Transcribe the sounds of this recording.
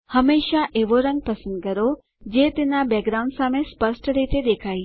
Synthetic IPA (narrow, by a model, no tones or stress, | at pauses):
hɐmeːʃaʔeːʋoɾə̃ŋɡ̚pɐsə̃nd̪kɐɾo | d͡ʑeːt̪ɪnabɛːɡɾaːʊ̃ɳɖsãːmẽspəsʈəɾet̪ʰed̪eːkʰaːiː